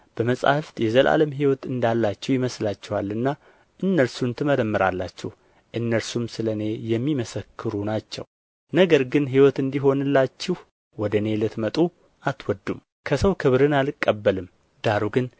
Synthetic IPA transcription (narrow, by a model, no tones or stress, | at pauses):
b̥əməsʼa̰hft̪jɛzəlʔa̰ləmɦiwɔt̪ɨnd̪alːat͡ʃːɛwjɪməslat͡ʃːɛwalːɨnːa | ʔɨnːəɾsunt̪ʰɨməɾəmːɨɾalːa̰t͡ʃːɛh | ʔɨnːəɾsumsɨləne̞jɛmːiməsəkʰːɨɾunat͡ʃːɛ̰w | nəɡəɾɡɨnɦiwɔt̪ɨnd̪iɦo̞nɨlːat͡ʃːɪh | wɔd̪əne̞lɨt̪mət̪ʼu | ʔat̪wɔd̪ːum | kʰəsəwkʰɨβɾɨnalɨkʼːəbːəlɨm | d̪̥aɾuɡɨn